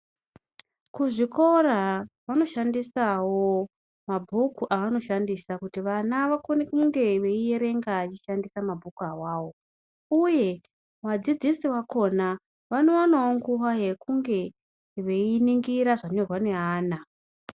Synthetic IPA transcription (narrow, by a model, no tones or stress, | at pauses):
kuʐiko̞raʋano̞ʃandisawo | mabʱukuʔaʋano̞ʃandisakutiʋanaʋakonekuŋɡe̞ʋe̞ije̞ɾe̞ŋɡat͡ʃiʃandisamabʱukuawaːwo̞ | uje̞ | wad͡zid͡zisiwako̞na | ʋano̞anaoŋɡuɦaɦekuŋɡe̞ | ʋe̞iniŋɡiɾaʐanerwane̞ɦaːna